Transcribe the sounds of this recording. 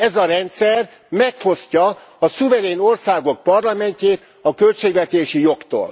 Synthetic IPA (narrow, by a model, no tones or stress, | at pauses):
ɛzɒɾɛnt̪sɛr | mɛkfo̞scɒ | ɒsuvɛɾeːno̞rsaːɡo̞k̚pɒrlɒmɛɲceːt̪ | ɒkø̞lt͡ʃeːɡʋɛt̪eːʃijo̞kt̪o̰ːl